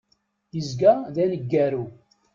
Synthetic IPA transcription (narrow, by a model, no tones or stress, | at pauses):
jəzɡæðænəɡːæɾu